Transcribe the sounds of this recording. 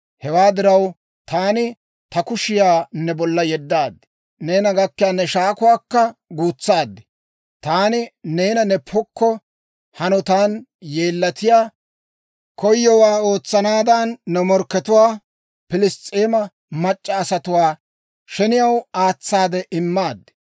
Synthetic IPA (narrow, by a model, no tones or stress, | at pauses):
hɛwaːd̪ɪɾɐw | t̪aːnɪ | t̪ɐkʊʃɪjaːnːɛbɔlːɐjɛd̪ːaːd̪ːɪ̥ | neːnɐɡɐkːɪjaːnːɛʃaːkʊwaːkːɐɡuːt͡sːaːd̪ːɪ̥ | t̪aːnɪne̞ːnɐnɛpʰɔkːɔ | hɐnɔt̪aːnje̞ːlːɐt̪ɪjaː | kʰɔjːɔwaːo̞ːt͡sːɐnaːd̪ɐnːɛmɔɾkːɛt̪ʊwaː | pɪlɪst͡sʼːeːmɐ | mɐt͡ʃʼːɐːsɐt̪ʊwaː | ʃɛnɪjɐwaːt͡sːaːd̪ɛʔɪmːaːd̪ːɪ̥